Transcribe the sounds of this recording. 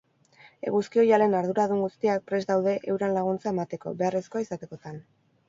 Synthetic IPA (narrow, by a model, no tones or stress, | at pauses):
e̞̰ɣuskio̞jale̞naɾðuɾaðuŋɡust̪iak̚pɾe̞zd̪awðe̞ʔewɾanlaɣ̞unt͡sae̞mat̪e̞ko̞̰be̞are̞sko̞aisat̪e̞ko̞t̪an